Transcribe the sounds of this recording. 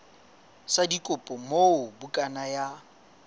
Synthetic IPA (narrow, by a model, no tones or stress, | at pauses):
sadikʼʊpʼɔmoʊbukʼanaja